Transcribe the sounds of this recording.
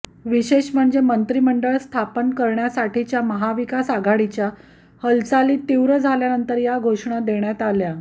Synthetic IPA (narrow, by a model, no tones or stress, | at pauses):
ʋiɕeɕm̤əɳd͡zemənt̪ɾiːməɳɖəɭst̪ʰapənkəɾɳjasaʈʰit͡ɕjaməɦaʋikasaɡʱaɽit͡ɕja | həlt͡saliːt̪iʋɾəd͡zʱaljanənt̪əɾjaɡʱoʂɳad̪eɳjat̪alja